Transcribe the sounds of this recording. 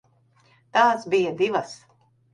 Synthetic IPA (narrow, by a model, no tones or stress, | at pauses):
t̪aːsbijad̪ivɐs